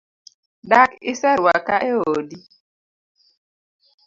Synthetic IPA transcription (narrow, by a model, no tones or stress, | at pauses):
dakɪsaɾwakaʔeodi